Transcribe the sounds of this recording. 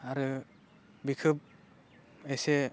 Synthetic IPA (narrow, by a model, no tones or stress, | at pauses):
aɾɯ | bikʰɯp̚ | ese